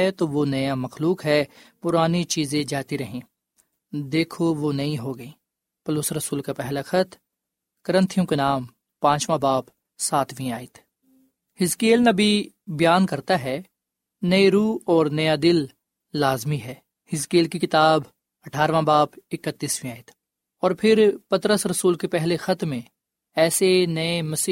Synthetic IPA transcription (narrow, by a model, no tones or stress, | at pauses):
ɛt̪oʋonɐjamɐxluːkɦɛːpʊɾaːnit͡ʃiːzẽd͡ʒaːt̪iɾɐɦẽː | d̪eːkʰoʋonɐĩɦoɡɐĩː | pɐlosɾɐsuːlkapɛɦlaxɐt̪ʰ | kɐɾə̃nt̪ʰijõkenaːm | pãːt͡ʃʋãbaːp | saːt̪ʰʋĩaːit̪ʰ | hɪzkeːlnɐbʱi | bjaːnkɐɾt̪aɦɛː | nɐeɾuːɔːɾnɐjad̪ɪlː | aːzmiɦɛː | hɪzkeːlkikɪt̪aːb | ɐʈʰaːɾʋãbaːpɪkət̪ːiːsʋĩaːɪt̪ʰ | ɔːɾpʰɪɾpɐt̪ɾəsɾɐsuːlkepɛɦlexɐt̪mẽ | ɛːsenɐemɐsi